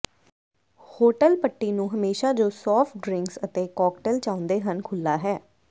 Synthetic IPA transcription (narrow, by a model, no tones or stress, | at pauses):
hoːʈəlpəʈːiːnũːɦəmeːʃaːd͡ʒoːsɔːpʈɖɾɪ̃ŋksət̪eːkɔːkʈəlt͡ʃãːʊ̃nd̪eːɦənkʰʊlːaːɦɛː